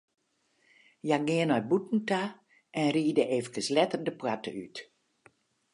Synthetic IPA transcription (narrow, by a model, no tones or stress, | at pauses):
jaɡɪənɔjbutn̩ta | ɛnriːdəʔeːvəkəslɛtərdəpwatə̰y̰t